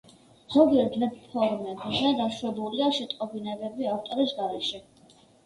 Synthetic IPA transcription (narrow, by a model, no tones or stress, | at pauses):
χɔɡiɛɾd̪vɛppʰɔɾmɛbzɛd̪aʃwɛbuliaʃɛt̪ʼqʼɔbinɛbɛbiaft̪ʼɔɾisɡaɾɛʃɛ